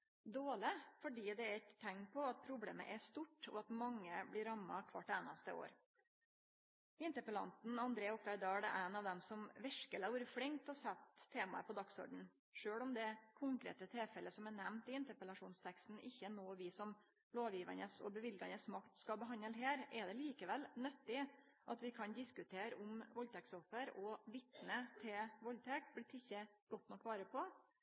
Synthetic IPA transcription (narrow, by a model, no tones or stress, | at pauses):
d̪oːɭɪfɔɖiːd̪ɛæɾɛt̪ʰːɛŋpʰɔɑt̪̚pʰɾʊblḛːmə̰ʔæʂt̪uʈːɔ̰ɑt̪mɑŋːəblɪɾɑmːɑ̰kʰʋɑ̰ʈːæːnɑst̪əʔo̰ːɾ | ɪnt̪əpəlɑ̰nt̪n̩ɑnd̪ɾeːɔkt̪ʰɑɪd̪ɑːɖɛʔæɪnɑʋd̪ɛmsɔmʋɛʂkəlæʊɾfɽɪŋt̪ɔsɛt̪ʰːeːmɑ̰əpʰɔd̪ɑksɔ̰ɖɳ̩ | ʂøːɽɔmd̪ɛkʰʊŋkɾḛːt̪ət̪ʰɛlfɛləsɔmænɛmnt̪ɪɪnt̪əpəlɑʂuːnst̪ʰɛkst̪n̩ɪçːənoːʋɪsɔm | loːʋjiːʋə̰nəsɔ̰bəʋɪlɡɑnəsmɑkt̪skɑbəɦɑnːəlɦeːɾɛd̪ɛliːkəʋɛlnœt̪ːɪ | ʔɑt̪ʋɪkʰɑnd̪ɪskʉt̪ʰeːɾʔʊmʋɔlt̪ʰɛksɔfəɾɔʋɪt̪nət̪ʰɪlʋɔlːt̪ʰɛksblɪt̪ʰːɪçːəɡ̥ɔt̪nɔkːʋɑːɾəpʰɔ